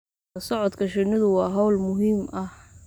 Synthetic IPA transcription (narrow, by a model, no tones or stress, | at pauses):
ɐsɔʕɔd̪kʰɐʃɪnɪðʊwɑːɦɔwlmʊɦiːmʔɐh